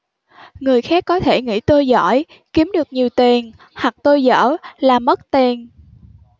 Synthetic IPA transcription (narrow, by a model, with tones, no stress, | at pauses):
ŋɨ˨˩əjxaː˦˥kːɔ˨˦t̪ʰe˧˩ŋḭ˧˥t̪o˧jzɔ̰˧˥j | ki˨˦əmɗɨ˨˩ək̚ɲi˨˩əwt̪e˨˩n | hwa˨˩k̚t̪o˧jzə̰ː˧˥laː˨˩mə˦˥t̚t̪e˨˩n